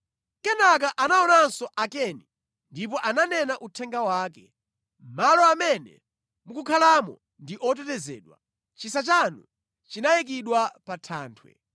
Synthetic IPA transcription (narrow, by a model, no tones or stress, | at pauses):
kɛnak̬aʔanaɔnansɔʔakɛni | ndip̬ɔʔananɛnaʔutʰɛŋɡawaːkɛ | m̩malɔamɛnɛ̰ | mukukʰalamɔ̰ | ndiʔɔt̬ɛtɛzɛ̰ːɗwa | t͡ʃisat͡ʃanu | t͡ʃinajɛk̬iɗwapatʰa̰ːntʰwɛ̰